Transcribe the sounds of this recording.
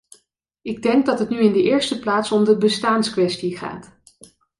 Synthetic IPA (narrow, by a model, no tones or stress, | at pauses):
ɪɡ̚dɛŋɡ̚dɑtɦətnyɪndəʔɪːɹstəplaːtsɔmdəbəstaːnskʋɛstiχa̰ːt